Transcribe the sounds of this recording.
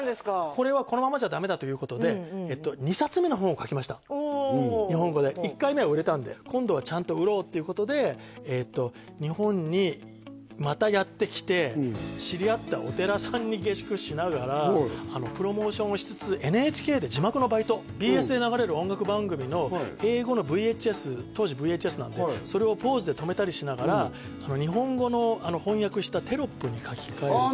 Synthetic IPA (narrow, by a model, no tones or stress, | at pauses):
d̪eskakʰo̞ɾe̞βako̞no̞mamaʑad̪ame̞d̪at̪o̞jɯ̟ːko̞t̪o̞d̪e̞et̪ːo̞ɲ̟isat͡sɨme̞no̞ɦõ̞ɰ̃okakʲimaɕi̥t̪a | ɲ̟iɦõ̞ŋɡo̞d̪e̞ikːaime̞oɯ̟ɾe̞t̪ãnd̪e̞̰kʰõ̞nd̪o̞β̞at͡ɕãnt̪o̞ɯ̟ɾo̞ːt̪ːe̞iɯ̟ko̞t̪o̞d̪e̞ː | t̪ːo̞ | ɲ̟ihõ̞ɲ̟ɲi | mat̪ajat̪ːe̞kʲi̥t̪e̞ɕiɾʲiat̪ːao̞t̪e̞ɾasãɲ̟ːiɡe̞ɕi̥kɯ̟ɕinaɡaɾaano̞pɯ̟ɾo̞mo̞ːɕõ̞ɰ̃oɕi̥t͡sɨ̥t͡sɨʔe̞nɯ̟et͡ɕi̥ke̞ːd̪e̞d͡ʑimakɯno̞bait̪o̞ | bʲiːe̞sɨd̪e̞naɡaɾe̞ɾɯ̟õ̞ŋɡakɯ̟bãŋɡɯ̟mʲino̞e̞ːɡo̞no̞bɯ̟ie̞t͡ɕiesɨt̪o̞ːʑibɯ̟ie̞ːt͡ɕie̞sɨnã̰nd̪eso̞ɾe̞o̞po̞ːzɨd̪e̞t̪o̞me̞t̪aɾʲiɕinaɡaɾaː | no̞ɲ̟iɦõ̞ŋɡo̞no̞ano̞hõ̞ɰ̃jakɯ̟ɕi̥t̪at̪e̞ɾo̞pːɯ̟ɲ̟ikʰakʲi̥kae